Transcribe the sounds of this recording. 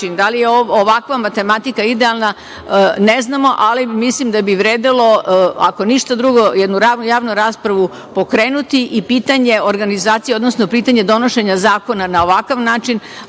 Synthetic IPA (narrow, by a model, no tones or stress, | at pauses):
ind̪alijeooʋakʋamat̪e̞mat̪ikaid̪ealˠna | neznamo̞ʔalimislimd̪abiʋɾeːd̪ilo̞a̰ko̞niʃt̪ad̪ɾuɡo̞jed̪nuɾaːnujaːʋnuɾaːspɾaʋu | po̞kɾe̞ːnut̪iʔipiːt̪aɲe̞o̞ɾɡanizaːt̪sijeod̪nosnopiːt̪aɲe̞d̪o̞no̞ʃe̞ɲazaːko̞nanao̞ʋakaʋnaːt͡ʃin